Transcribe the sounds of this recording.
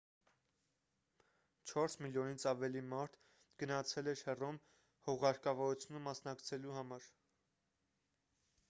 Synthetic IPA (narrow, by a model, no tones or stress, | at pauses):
t͡ʃʰɔɾsmiljɔnit͡sʰɑvɛlimɑɾt̪ʰ | ɡənɑt͡sʰɛlɛɾhɛrɔm | hɔʁɑɾkɑvɔɾut͡sʰjunəmɑsnɑkt͡sʰɛluɦɑmɑɾ